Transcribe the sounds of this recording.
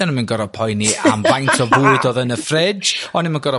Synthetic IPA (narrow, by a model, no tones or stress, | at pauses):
anəmənɡɔɾɔpʰɔjniaa̰mvajntʰɔvoːdɔðənəfrɛd͡ʒd͡ʒɔnimənɡɔɾɔ